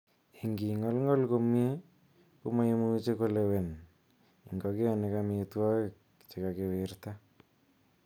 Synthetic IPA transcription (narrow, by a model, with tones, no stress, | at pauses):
i˨ŋɡi˨ŋɔ˦lŋɔ˦lko˦mie˦ | kʊ˦ma˦i˦mu˦t͡ʃe˦ko˦lewɛ˨n | ɪ˨ŋɡɔ˨kɪ˦anɪ˨kamɪ˨twɔ˦kɪk̚ | t͡ʃɪ˨ka˨kɪ˨wɪrt̪a˦